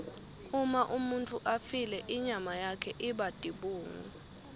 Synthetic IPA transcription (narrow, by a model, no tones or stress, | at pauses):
umaʔumuntʼuʔafilɛʔiɲamajakʰɛʔiɓad̥ʱiɓuːŋṵ